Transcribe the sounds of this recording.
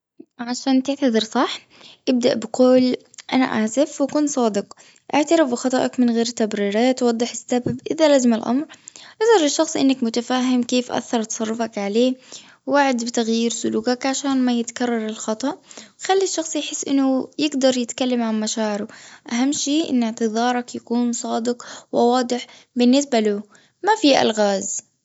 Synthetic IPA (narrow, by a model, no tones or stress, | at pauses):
ʕaʃaːnt̪ɪʕt̪aðˤɨɾsˤɑħ | ʔɪb̚d̪aʔbɪquːl | ʔa̰na̰ʔaːsɪfwakuːnsˤɑːd̪ɪq | ʔaʕt̪aɾɪfbɪxɑt̪ˤɑʔɑkmɪnɣeːɾt̪abɾiːɾaːt̪wɑd̪ˤːɨħɪsːababʔɪðalaːzɪmalʔɑ̰mɾʔɑsˤɑɾˤɪʃːɑxsˤʔɪnːakmʊt̪afaːɦɪmkeːfʔa̰θːɑɾˤt̪ɑ̥sˤɑrˤːɑfɑkʕaleː | wwaʕɪd̪bɪt̪aɣjiːɾsʊluːkakʕaʃaːnmajɪt̪kɑrˤːɑɾˤɪlxɑt̪ˤɑʔwxalːiʃːɑxsˤjħɪsːʔɪnːʊjɪɡd̪ɑɾˤjɪt̪kalːamʕanmaʃaːʕɪɾʊʔaɦamːʃeːʔɪ̰nːɪʕt̪ɨðˤɑːɾˤɑkjakuːnsˤɑːd̪ɪqwɪwɑːd̪ˤɨħ | bɪnːɪs̬balu | mafiʔa̰lɣaːz